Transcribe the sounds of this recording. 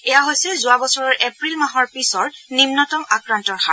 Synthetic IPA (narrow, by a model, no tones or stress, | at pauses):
ɛjaɦojsɛzʊabɔsɔɹɔɹʔepɹilmaɦɔɹpisɔɹnimnɔtɔmakɹantɔɹxa̰